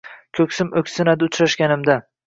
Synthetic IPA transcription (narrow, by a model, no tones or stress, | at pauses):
kʲʰɵkʲsɪmɵkʲsɪnad̪ɪʊt͡ʃɾaʃkʲanɪmd̪a